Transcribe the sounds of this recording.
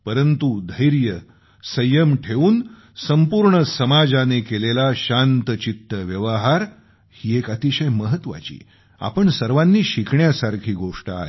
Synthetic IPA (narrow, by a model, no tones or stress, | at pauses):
pəɾənt̪ud̪ʱəjɾjə | səjəmʈʰeʋuːn | səmpuɾɳəsəmad͡zanekelelaɕant̪ət͡ɕit̪ːəʋjəʋəɦaɾ | hiːekat̪iɕəjməɦət̪ʋa̰t͡ɕḭː | a̰pəɳsəɾʋanːiːɕikʰɳjasaɾkʰiːɡoʂʈəa̰ɦḛ